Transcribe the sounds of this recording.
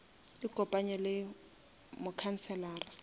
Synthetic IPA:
ɪkʼɔpʼaɲɛlɪ | mʊkʰan̩t͡sʰɛlaːra

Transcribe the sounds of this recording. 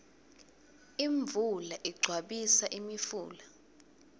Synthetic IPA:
iɱb̪vʱulaʔiɡ͡ǀʱwaɓisaʔimifuːla

